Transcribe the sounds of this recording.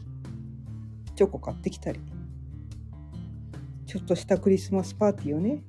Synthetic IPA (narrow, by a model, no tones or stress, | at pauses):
t͡ɕo̞ko̞kat̪ːe̞kʲi̥t̪aɾʲi | t͡ɕo̞t̪ːo̞ɕi̥t̪akɯ̟ɾʲisɨmasɨ̥paːt̪ʲijo̞ne̞